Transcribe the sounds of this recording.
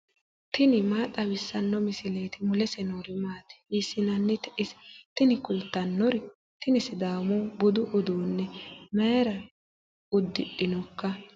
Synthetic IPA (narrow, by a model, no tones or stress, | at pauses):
t̪ɪnɪmaːt̪ʼːɐwɪsːɐnːɔmɪsɪleːt̪ɪmʊlɛsɛnoːɾɪmaːt̪ɛ̥isːɪnɐnːɛt̪ɪst̪ɪnɪkʊlt̪ːɐnːɔɾɪ | t̪ɪnɪsɪd̪aːmɔbʊd̪ʊʔɔd̪oːnːɛmɐjɛɾɐ | ʊd̪ːɪɗːɪnɔkːɐ